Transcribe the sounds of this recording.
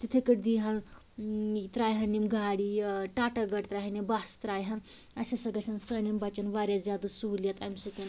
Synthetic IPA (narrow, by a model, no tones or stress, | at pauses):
t̪it̪ʰekɐʈd̪iɦɐn | t̪ɾaːjɦɐnimɡʱaːɽiʈaːʈɐɡɐʈt̪ɾaɦinebast̪ɾaːjɦɐn | ɐsʲɐsɐɡɐsʲʰɐnsɐnimbɐt͡ʃɐnʋaːɾʲjazjaːd̪usuɦuljɐt̪ɐmsɐt̪in